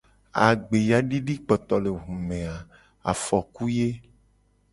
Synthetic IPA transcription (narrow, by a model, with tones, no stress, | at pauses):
a̰˨ɡ͡be˨ja˨ɖi˦ɖi˦k͡pɔ˨t̪ɔ˨le˨ɦũ˨mẽ˨a˨ | a̰˨fɔ˨ku˦je˦